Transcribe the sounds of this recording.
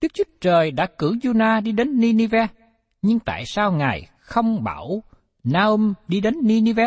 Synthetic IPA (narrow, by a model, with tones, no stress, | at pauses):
ɗɨ˦˥ək̚t͡ɕu˦ət͡ɕəː˨˩jɗa̰ː˧˥kɨ̰˧˩zu˧naː˧ɗi˧ɗe˨˦nːi˧ni˧vɛ˧ | ɲɨ˧ŋt̪a̰ː˧˨jsaː˧wŋaː˨˩j | xə˧wŋ͡mɓaː˧˩w | naː˧ʔu˧mɗi˧ɗe˨˦nːi˧ni˧vɛ˧